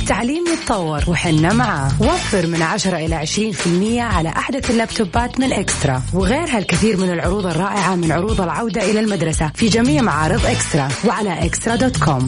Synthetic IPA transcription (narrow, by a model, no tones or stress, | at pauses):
t̪ːaʕliːmjɨt̪ˤtːˤɑwːɑɾˤwɪħɪnːamaʕaːwafːɪɾmɪnʕaʃɑɾˤɑʔɪlaʕɪʃɾiːnfɪlmɪjːaʕala̰ʔaħd̪aθɪlːabt̪ubaːt̪mɪnʔɪkst̪ɾˤɑwɪɣeːɾɦalkɪθiːɾmɪnɪlʕʊɾuːðˤɑrˤːɑːʔɪʕamɪnʕʊɾuːðˤɑlʕawd̪aʔɪlalmad̪ɾˤɑsafid͡ʒamiːʕmaʕɑːɾˤɨðˤʔɪkst̪ɾˤɑwɪʕalaʔɪkst̪ɾˤɑd̪oːt̪kʰoːm